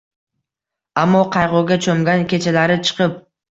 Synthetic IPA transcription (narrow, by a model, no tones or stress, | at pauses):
amːɒqʰɑjʁɒɡʲat͡ʃʰomɡʲankʲʰe̞t͡ʃʰalaɾɪt͡ʃʰɨ̥qɨp̚